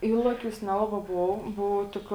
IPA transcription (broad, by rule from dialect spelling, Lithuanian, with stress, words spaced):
ˈiːlˠɐˌkʲuːs ˈnʲæːlˠɐˌbɑː ˈboːw ˈboːw ˈtʲɪk